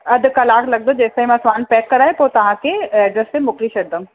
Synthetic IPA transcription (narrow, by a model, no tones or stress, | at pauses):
ɐd̪kɐlaːklɐɡ̚d̪od͡ʒɛːsaim̃sʋaːnpɛːkːɐɾaːẽpoːt̪ɐʋ̤ãkeɛːɖəɾsemʊkliʃɐɾd̪õm